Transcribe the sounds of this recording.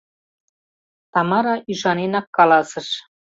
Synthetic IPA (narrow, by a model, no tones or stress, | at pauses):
t̪ɑmɑɾɑʔyʒɑnenɑkːɑlɑsɤ̆ʃ